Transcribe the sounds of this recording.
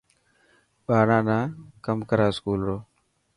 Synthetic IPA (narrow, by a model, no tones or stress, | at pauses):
ɓaːɽãːnãːkəmkəɾaːskuːlɾoː